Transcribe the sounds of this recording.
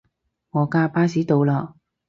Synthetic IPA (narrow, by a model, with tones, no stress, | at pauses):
ŋɔː˨˧kaː˧paː˥siː˨˥t̪o˨˧wlaː˧